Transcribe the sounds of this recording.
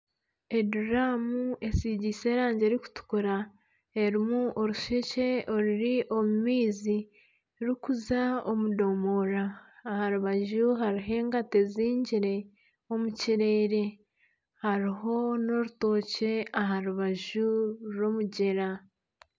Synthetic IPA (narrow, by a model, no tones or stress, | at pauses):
e̞duɾamue̞siɟise̞ːɾaːɲɟe̞ɾiku̥tu̥kuɾa | e̞ɾimuʔoɾuʃece̞oɾiɾiʔo̞mumiːzi | ɾikuzaomudo̞moɾaːhaɾuβaʒuɦaɾiɦe̞ːŋɡateziːɲɟiɾe̞ | o̞muciɾe̞ːɾe̞ | haɾiɦo̞no̞ɾuto̞ːce̞aɦaɾuβaʒuɾo̞muɟe̞ɾa